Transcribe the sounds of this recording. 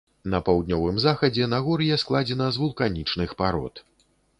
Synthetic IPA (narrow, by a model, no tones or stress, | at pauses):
nɐpɐwd̪̚ʲnʲɔvɨmzaxɐd͡zʲɛnaɣɔɾjɛsklˠad͡zʲɛnɐzvulˠkanʲit͡ʂnɨxpaɾɔ̰t̪